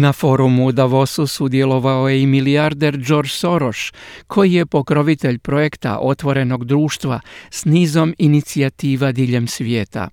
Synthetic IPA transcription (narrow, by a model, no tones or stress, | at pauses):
nafo̞ːɾumud̪aʋo̞susud̪je̞lo̞ʋaojeimiliaɾd̪eɾd͡ʒo̞ɾd͡ʒso̞ɾoʃkʰo̞jije̞po̞kɾo̞ʋit̪e̞ʎpɾo̞je̞kt̪a̰ʔo̞t̪ʋo̞ɾe̞no̞ɡd̪ɾuːʃt̪ʋasniːzo̞minit̪siat̪iːʋad̪iːʎe̞msʋje̞ːt̪a̰